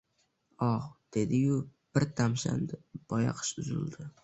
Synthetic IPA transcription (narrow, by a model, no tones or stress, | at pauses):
ɒʁd̪̥e̞d̪ɪjʊb̥ɪɾt̪ʰamsa̰nd̪ɪb̥ɒja̰qʰɨ̥ʃʊzɪ̰ld̪ɪ